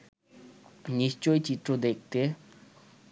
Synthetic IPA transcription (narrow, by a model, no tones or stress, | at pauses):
ɲiht͡ɕolt͡ɕiʈ͡ʂod̪ek̚t̪e